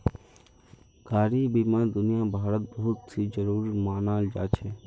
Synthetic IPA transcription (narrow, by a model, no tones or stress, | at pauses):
kaːɾiːbiːmãːd̪ʊnijaːbʱaːɾət̪̚bəɦʊt̪ːʰiːd͡ʒəɾuːɾimaːnaːld͡ʒa̰ːt͡ʃʰeː